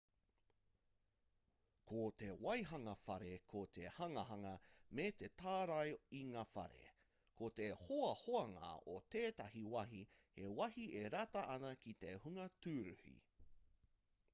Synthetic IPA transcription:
kʰot̪ewɐjɦɐŋɐfɐɾekʰot̪ʰehɐŋɐɦɐŋɐmet̪e̞t̪aːɾɐjiŋaːfɐ̰ɾḛ | kʰot̪ehoɐhoɐŋa̰ot̪eːt̪ɐɦiwɐɦihewɐhieɾɐtɐʔɐnɐkit̪ehuŋɐtʉːɾʉ̰hḭ

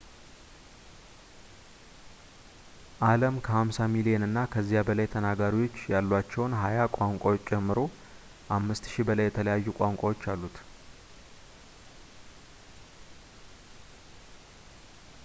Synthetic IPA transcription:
ʔaləmkʰəhamsamilijenɨnːakʰəzːijabəlajt̪ʰənaɡaɾiwo̞t͡ʃːjalːat͡ʃːɛwnɦajakʷʼaŋkʷʼawot͡ʃʼːt͡ʃʼɛmːɨɾo̞ | ʔamːɨst̪ʃibəlajːɛt̪ʰələjajːukʷʼaŋkʷʼawot͡ʃːalːut̪

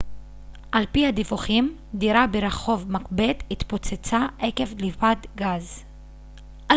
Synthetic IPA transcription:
ʔalpihad̪ivuχim | d̪iɾabeɾeχo̞vmakbet̪it̪pot͡set͡saeke̞vlivadɡaz | ʔa

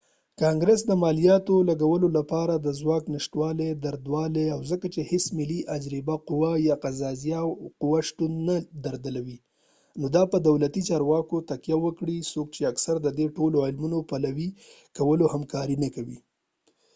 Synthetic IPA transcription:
kɑŋɡɾəs̬d̪əmɑlijɑt̪olaɡawəlolapɑɾad̪əzwɑknɪʃʈwɑled̪aɾd̪wɑleawzəkat͡ʃehɪsmɪliʔad͡ʒɾibaqʊwajɑqazɑzijawqʊwaʃt̪und̪nad̪aɾd̪əlawi | nod̪ɑpəd̪awlat̪it͡ʃɑɾwɑkot̪akjawəkɽisokt͡ʃeaksaɾd̪əd̪eʈoloɪlmunopalawi | kawəlohamkɑɾinakawḭ

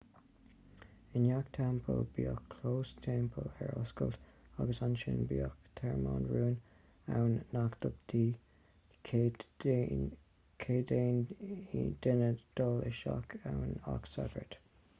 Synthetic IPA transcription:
ɪnjakt̪ʰɛmpʰəlbiːəkʰloːstʰɛmpʰəlɛɹɔskə̰ltaɡəsanʃɪnbiəkt̪ʰɛɹmaːnɹuːn | awnːakd̥əbd̥iː | kʰeːden | d̪̥ɪnəd̪̥ɔlɪʃakʰawnaksaɡəɹt̪

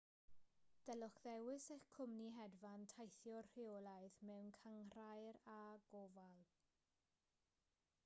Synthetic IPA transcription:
d̥ɛlɔχðɛwɪsɛχkʰʊmniɦɛdvantʰajθjɔr̥ɪɔlˠaɨðmɛwnkʰaŋr̥ajɾaɡ̥ɔvalˠ

